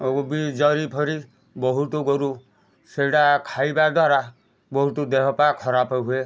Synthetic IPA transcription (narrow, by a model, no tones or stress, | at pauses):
obid͡ʒɔɾipʰɔɾi | bɔɦut̪uɡɔɾu | seɽakʰajbad̪waɾa | bɔɦut̪ud̪eɦɔpakʰɔɾapɔɦue